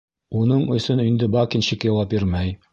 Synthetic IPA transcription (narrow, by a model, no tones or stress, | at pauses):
unɤɴɵ̆sɵnind̪ɘbɑkinɕikjɑlɑpjiɾmæj